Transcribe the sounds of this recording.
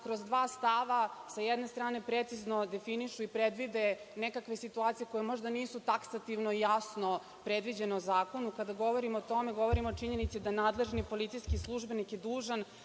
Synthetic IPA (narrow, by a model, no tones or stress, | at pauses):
kɾozd̪ʋaːst̪aʋasajɛd̪ne̞st̪ɾaːne̞pɾet̪sizno̞d̪e̞finiʃuipɾed̪ʋid̪enekakʋe̞sit̪uaːt̪sije̞ko̞jemo̞ʒd̪aniːsut̪aksat̪iʋnoijasno̞ | pɾed̪ʋid͡ʑeneozaːko̞nukad̪aɡo̞ʋo̞ɾimoːt̪o̞meɡo̞ʋo̞ɾimoːt͡ʃiɲe̞nit̪sid̪anaːd̪le̞ʒnipo̞lit̪sijskislˠuʒbe̞nikjed̪uːʒan